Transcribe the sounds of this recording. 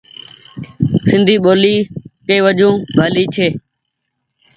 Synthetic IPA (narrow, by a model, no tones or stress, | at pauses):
sɪnd̪ʱiːɓoːliːkeːʋəd͡ʒũːbʱaːliːt͡ʃʰeː